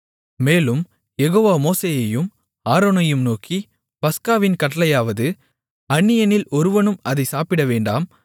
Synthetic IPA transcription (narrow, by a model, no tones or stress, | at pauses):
meːlɯm | jɛɣoːʋaːmoːseːjɐjɯm | aːɾoːnɐjɯmnoːki | pɐskaːʋɪnkɐʈːɐlɐjaːʋɐðɯ | ɐɳːɪjɐnɪlɔɾɯʋɐnɯmɐðɐɪsaːpɪɽɐʋeːɳɖa̰ːm